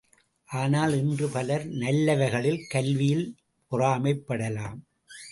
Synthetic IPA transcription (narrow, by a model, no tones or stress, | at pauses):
ʔaːnaːlɪndrɯpɐlɐɾnɐlːɐʋɐɣɐɭɪlkɐlʋɪjɪl | pʊraːmɐɪpːɐɽɐlaːm